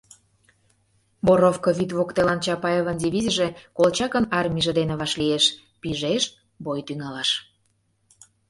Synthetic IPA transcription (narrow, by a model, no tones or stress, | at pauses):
boɾofkoβʲit̪βokt̪elɑnt͡ɕɑpɑjeβəndʲiβʲiziʒĕkolt͡ɕɑkə̆nɑrmʲiʒĕd̪enĕβɑʃlieʃ | piʒeʃ | bojt̪yŋɑlɑʃ